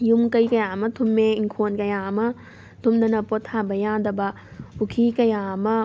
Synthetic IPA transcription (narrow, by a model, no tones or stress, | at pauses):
jumkɐjkɐjaːmɐt̪ʰumːeiŋkʰoːnkɐjaːmɐ | t̪ʰumd̪ɐnɐpot̪ʰaːbɐjãːd̪ɐbɐ | ukʰikɐjaːmɐ